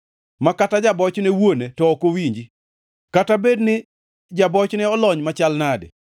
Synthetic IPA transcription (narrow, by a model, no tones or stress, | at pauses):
makatad͡ʒabɔt͡ʃnɛwonetɔːkowiɲd͡ʒi | katabednɪ | d͡ʒabɔt͡ʃnɛɔlɔɲmat͡ʃalnadɪ̰